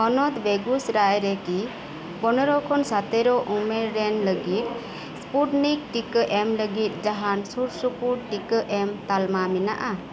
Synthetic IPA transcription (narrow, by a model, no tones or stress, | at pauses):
ɔnɔt̪beɡusɾajɾɛki | pɔnɔɾɔkʰɔnsat̪ɛɾɔʔumeɾːɛnləɡit̪̚ | spuʈnik̚ʈikəʔɛmləɡit̪̚ˀd͡ʒaɦansuɾsupuɾʈikəʔɛmt̪almamina̰ʔa